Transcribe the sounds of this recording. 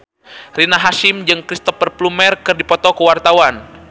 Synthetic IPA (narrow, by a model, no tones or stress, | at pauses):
rinaɦaʃimd͡ʒɨŋkɾist̪ɔpərplumɛrkɨrdipɔt̪ɔkəwart̪awan